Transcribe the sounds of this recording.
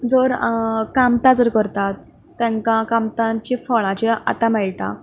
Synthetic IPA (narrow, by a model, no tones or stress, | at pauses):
d͡zoɾkamt̪ãd͡zoɾkəɾt̪at̪ː | ãŋkãkamt̪ãɲt͡ɕĩfɔɭãt͡ɕea̰t̪amɛɭʈã̰